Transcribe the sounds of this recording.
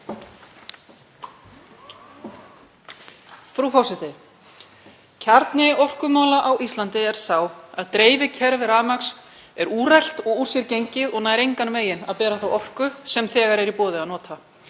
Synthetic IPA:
fɾufɔsɛt̪ɪ | cʰaɾt̪nɪɔr̥kʏmaːwlaʔawʔist̪lant̪ɪɛɾ̥saːwaðt̪ɾeːjvɪcʰɛɾvɪɾaːmaks | ɛɾuːrajl̥t̪ɔɣur̥sjɛɾcejɲcɪðɔɣnaːjɾejŋkanveːjɪna̰ðpɛːɾaθawɔwr̥kʏsɛmθɛːɣaɾɛɾipɔːðɪaðnɔːt̪ʰa

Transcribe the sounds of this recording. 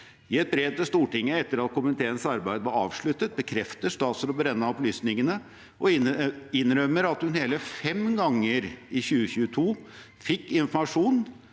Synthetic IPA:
ɪɛt̪̚bɾeːd̪əst̪uːʈɪŋːəɛt̪ːəɾɑt̪̚kʰʊmnɪt̪ʰeːənsɑɾbæɪd̪əʋɑɾɑːʋʂɭʉt̪ːət̪̚bəkʰɾɛft̪əʂt̪ɑːt̪səɾɔbɾɛnːɑɔplyːsnɪŋənə | ʔɔɪɪnɾœmːəɾɑt̪hʉnheːləfɛmɡɑŋːəɾɪçʉːəçʉːət̪ʰuː | fɪkːɪnfɔmɑʂuːn

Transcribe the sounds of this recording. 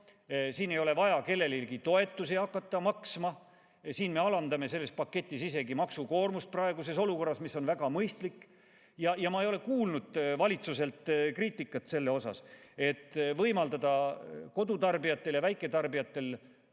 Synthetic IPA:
siːne̞jo̞le̞vɑjɑke̞lːe̞lilɡit̪o̞e̞t̪ːˑusiɑkːɑt̪ːˑɑmɑksmɑ | siːnme̞ɑlɑnd̪ɑme̞se̞lːe̞spɑkːet̪ʲːˑisise̞ɡimɑksuko̞ːrmust̪̚prɑeɡuse̞so̞luko̞rːɑsmisːonvæɡ̥ɑmɤjst̪likːˑ | jɑjɑmɑejo̞le̞kuːlnud̪̥vɑlʲit̪suse̞lt̪kriːt̪ːˑikːˑɑt̪se̞lːeo̞sɑ̰se̞t̪ːˑvɤjmɑld̪ɑd̪̥ɑko̞d̪ut̪ɑrbijɑt̪ːe̞ljɑvæjkːˑe̞t̪ɑrbijɑt̪ːe̞l

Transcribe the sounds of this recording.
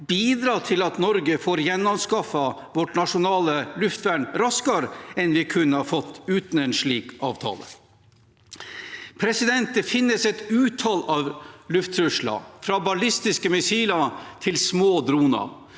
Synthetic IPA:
biːd̪ɾɑːt̪ʰɪlɑt̪nɔɾɡəfoːɾjɛnːɔmskɑfɑʋɔʈnɑʂʊnɑːləlʉft̪ʋæːɳɾɑskɑɾɛnʋɪkʰʉnːəhɑɾfɔt̪ːʉːt̪n̩ɛnʂɭiːkɑ̰ːʋt̪ʰɑ̰ːlə̰ | pʰɾɛsɪd̪ɛnt̪̚d̪əfɪnːəsɛt̪ʉːt̪ʰɑːlɑʋlʉft̪ɾʉʂɭɑ̰fɾɑbɑlɪst̪ɪskəmɪsiːlɑt̪ʰɪlsmoːd̪ɾuːnɑ̰

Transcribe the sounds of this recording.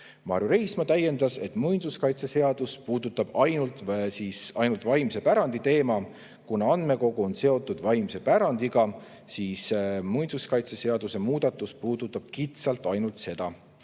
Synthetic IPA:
mɑ̰ɾjuɾe̞jsmɑt̪æjːe̞nd̪̥ɑse̞̰t̪ːˑmujnd̪uskɑjt̪sese̞ɑd̪̥uspuːd̪ut̪ːˑɑb̥ɑjnult̪siːsɑjnult̪vɑjmse̞pæɾɑnd̪̥it̪e̞ːmɑ | kunɑɑnd̪̥me̞ko̞ɡ̥uo̞nse̞o̞t̪ːˑud̪̥vɑjmse̞pæɾɑnd̪̥iɡ̥ɑ | siːsmujnsuskɑjt̪sese̞ɑd̪̥use̞muːd̪̥ɑt̪ːˑuspuːd̪̥ut̪ːˑɑb̥̚kit̪sɑlt̪ˑɑjnult̪se̞d̪̥ɑ

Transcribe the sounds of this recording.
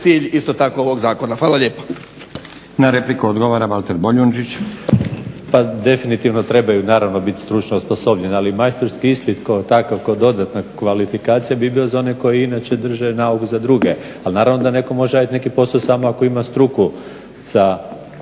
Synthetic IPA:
t̪siːʎist̪ot̪akooʋoɡzaːkonaxʋaːlˠaʎeːpḁ | naɾeplikuod̪ɡoʋaɾabalt̪eɾboʎund͡ʒit͡ɕ | pad̪e̞finit̪iʋnot̪ɾe̞bajunaːɾaʋno̞bit̪st̪ɾut͡ʃnosposo̞bɲenalimajst̪oɾskiispit̪koot̪akaʋkod̪o̞d̪at̪nakʋalifikaːt̪sijabibilozao̞neko̞jiinat͡ʃe̞d̪r̩ʒanaukuzad̪ɾuɡe̞ | alnaːɾaʋnod̪ane̞ko̞mo̞ʒeajat̪ne̞kipo̞sosaːmoako̞imast̪ɾuku | z̥a

